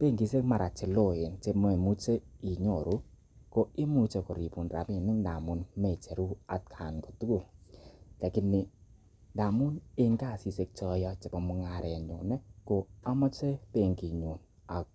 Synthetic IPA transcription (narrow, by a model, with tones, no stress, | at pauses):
pe˦˨ŋɡi˨se˦kma˨ɾa˨t͡ʃe˨lo˦e˨nt͡ʃe˧mɔ˦e˨mu˦t͡ʃe˦i˨ɲo˨ɾu˦ | ko˨ɪ˦mu˦t͡ʃe˨ko˨ɾi˨pu˨nra̰˨pi˦˨nɪ˦ŋda̰˨mu˦nme˨t͡ʃe˨ɾu˦a˨t̚kʰa˨nko˨tu˦ko˨ | kɛ˨kɪ˦nɪ˨ | nda˨mʊ˦ne˦ŋka˦˨si˨se˦k̚t͡ʃɔ˦˧˦jɔ˦t͡ʃe˨pɔ˨mʊ˧ŋa˨ɾɛ˨ɲo̰˨nɛ˦ko˨a˦mɔ˦t͡ʃe˦pe˦˨ŋki˨ɲo˨n | a˨